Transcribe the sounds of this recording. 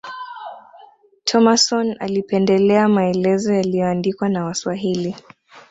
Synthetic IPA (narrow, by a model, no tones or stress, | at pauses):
tʰɔmasɔna̰lipɛndɛlɛamaɛlɛzɔjalijɔandikwanawaswaɦili